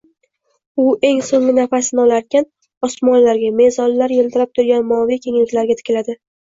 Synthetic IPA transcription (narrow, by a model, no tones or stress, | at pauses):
ʊʔe̞ŋsoŋlɪnafasɪnɪɒlaɾkʲʰan | ɒsmɒnlaɾɡʲame̞zɒnːaɾjeld̪ɪɾap̚t̪ʰʊɾɡʲanmɒvikʲʰeŋlɪkʲlaɾɡʲat̪ʰɪ̥kʲʰlad̪ɪ